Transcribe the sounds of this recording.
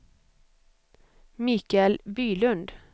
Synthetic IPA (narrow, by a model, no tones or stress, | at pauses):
miːkælbyːlʉnd̪